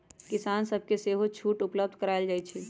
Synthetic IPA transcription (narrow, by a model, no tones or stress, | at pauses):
kɪsaːnsəb̚ʱkeseːɦot͡ʃʰuːʈʊpləb̚d̪ʱkəɾaɪld͡ʒaːit͡ʃʰɛː